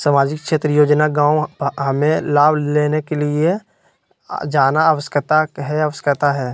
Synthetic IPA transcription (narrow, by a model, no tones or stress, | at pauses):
samaːd͡ʒɪkkʃeːt̪ɾəjoːd͡ʒnaɡãːwɦəmẽlaːbʱleːnekelie | d͡ʒaːnaəʋəskət̪aɦɛɐʋəskət̪aɦɛː